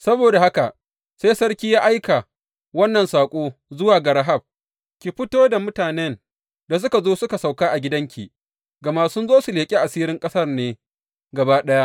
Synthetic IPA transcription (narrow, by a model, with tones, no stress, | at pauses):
sɐ˦boː˨da˨ha˦ka˨ʔ | seː˦jsɐ˦rkʲiː˦jaː˦ʔa˦jka˨ | wɐ˦nːɐ˨nsaː˨kʷʼoː˦zʊ˦waː˨ɡɐ˨ɽa˦ɦa˦˨b̚ | kʲi˨ɸɪ˦toː˦da˨mʊ˦taː˨nɛ˦n | da˨s̬ʊ˦ka˨zoː˦sʊ˦ka˨sa˨wkaː˦ʔa˨ɡʲɪ˦dɐ˦ŋkʲi˨ | ɡɐ˨maː˦sʊ˦nzoː˦su˨leː˨kʲʼi˦ʔa˨siː˦ɾɪ˦ŋkʼɐ˦sɐ˦rneː˦ | ɡɐ˨baː˦ɗɐ˦ja˦ʔ